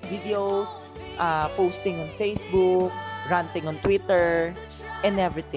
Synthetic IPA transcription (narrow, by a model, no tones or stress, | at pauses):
vid̪ɛos | ʔapoːst̪ɪ̃ŋɔ̃nfejsbuk̚ɹãnt̪ɪ̃ŋɔ̃nt̪wit̪ɛɹ | ʔɛ̃nd̪ɛvɹɪt̪ɪ̃